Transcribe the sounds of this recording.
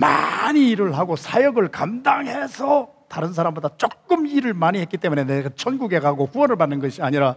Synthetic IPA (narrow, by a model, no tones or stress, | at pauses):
ma̰ɲiːɾɯɭɦaɡosʰajʌɡɯɭkamdaŋɦe̞sʰʌ | taɾɯns̬ʰaɾambodat͡ɕ͈ok̚k͈ɯmiɾɯɭmaɲihe̞t̚k͈it͈e̞mune̞neɡat͡ɕʰʌnɡuɡe̞ɡaɡoɸuwʌnɯɭpanːɯnɡʌɕʰiaɲiɾa